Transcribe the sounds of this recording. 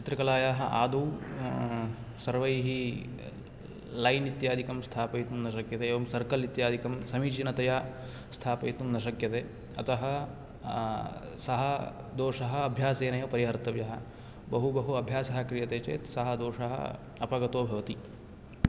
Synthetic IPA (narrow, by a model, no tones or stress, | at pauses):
t͡ʃit̪ɾɐkɐlaːjaːɦɐʔa̰ːd̪uw | sɐɾʋɐjɦi | lɐjnit̪jaːd̪ʱikɐmst̪ʰaːpɐjt̪umnɐʃɐkjɐt̪eːʋɐmsɐɾkɐlit̪jaːd̪ʱikɐmsɐmiːt͡ʃinɐt̪ɐjaː | st̪ʰaːpɐjt̪umnɐʃɐkjɐt̪eː | ɐt̪ɐɦɐ | sɐɦɐ | d̪oːʂɐɦɐːbʱjaːseːnɐjɐpɐɾiɦɐɾt̪ɐʋjɐɦɐ̰ | bɐɦubɐɦuɐbʱjaːsɐɦɐkɾijɐt̪eːt͡ʃḛːt̪sɐɦɐd̪oːʂɐɦɐ̰ | ɐpɐɡɐt̪oːbʱɐʋɐt̪i